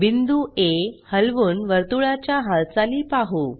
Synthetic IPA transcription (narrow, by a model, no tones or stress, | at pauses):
bind̪uehəlʋuːnʋəɾt̪uɭat͡ɕjaɦaɭt͡saliːpaɦu